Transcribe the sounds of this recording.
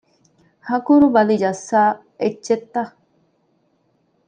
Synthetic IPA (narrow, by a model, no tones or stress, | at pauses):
hɐkuɾubɐlid͡ʒɐsːaː | ed͡ʒt͡ʃːet̪ːɐ